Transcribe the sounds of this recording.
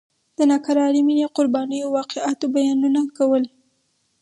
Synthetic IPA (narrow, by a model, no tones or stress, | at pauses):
d̪̥ənɑkaɾɑlimineqʊɾbɑnəjoawɑqeat̪obajɑnunakawəl